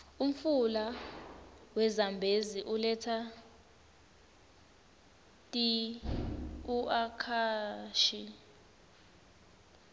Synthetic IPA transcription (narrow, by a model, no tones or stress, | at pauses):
um̩fula | wɛzambʱeziʔulɛtʰa | tʼi | uʔakʰaʃi